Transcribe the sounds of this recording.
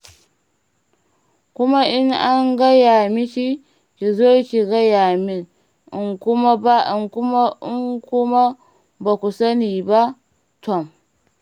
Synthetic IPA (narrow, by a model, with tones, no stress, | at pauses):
kʷʊ˦ma˦ʔɪ˦ŋʔa˦ŋɡa˦ja˨mi˦ʃi˦ | ki˨zoː˦kʲi˨ɡa˦jaː˨mɪ˦n | ʔɪ˨ŋkʷʊ˦ma˦ba˦ɪ˨ŋkʊ˦ma˦ʔɪ˦ŋkʷʊ˦ma˦ | ba˨kʷu˨sɐ˦niː˨ba˦ | tɔ˦˨m